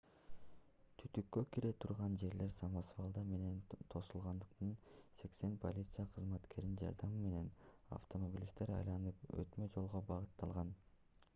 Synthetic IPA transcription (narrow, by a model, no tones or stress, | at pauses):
t̪ʰyt̪ykːøkiɾe̞t̪ʰuɾʁɑnd͡ʒe̞ɾle̞ɾsɑmɑsvɑlˠd̪ɑme̞ne̞nt̪ʰo̞sulˠʁɑnd̪ɯq̚t̪ɯnse̞kse̞npʰo̞̰lʲit̪sɨjaqʰɯzmɑt̪kʰe̞ɾind͡ʒɑ̰ɾd̪ɑmɯme̞ne̞na̰ft̪o̞mobʲilʲist̪e̞ɾɑ̰jlˠɑnɯpø̰t̪mød͡ʒo̞lˠʁobɑʁɯt̪ːɑlˠʁɑn